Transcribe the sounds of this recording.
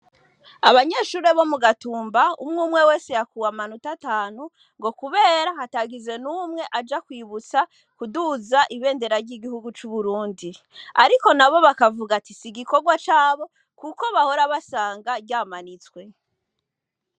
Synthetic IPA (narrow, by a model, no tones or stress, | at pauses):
aβaɲe̞ːʃuːɾe̞βo̞muɡatuːmbaumŋuːmŋe̞we̞ːse̞jakuwamanutataːnu | ŋɡo̞kuβe̞ːɾahataːɡize̞numŋe̞ʔad͡ʒakwiːβut͡sa | kuduzaʔiβe̞ːnde̞ɾaɾɟiɡihuɡut͡ʃuβuɾuːndi | aɾiko̞naβo̞βakavuɡatisiɡiko̞ɡwat͡ʃaːβo̞ | kuko̞βaho̞ɾaβasaːŋɡaβɟaːmanit͡skwe̞